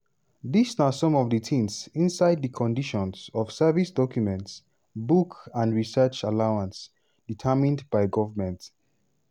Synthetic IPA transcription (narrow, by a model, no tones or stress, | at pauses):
ðisnasɔ̃mɔvðətʰĩnsĩnsaɪd̚ðəkʰɔ̃ndiʃɔ̃nsɔv̥sɛvisdɔkʰjumɛ̃nts | bukãndɹisɜt͡ʃalaʊãns | d̥itʰəmĩndbaɪɡɔvəmɛ̃nt